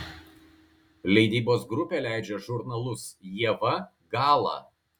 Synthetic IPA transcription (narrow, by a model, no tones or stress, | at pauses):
lʲɛɪd̪ʲiːboːsɡɾʊpʲeːlʲæɪd͡ʒʲɛʒʊɾnɐlˠʊsjiɛʋɐ | ɡɑːlˠɑ̰ː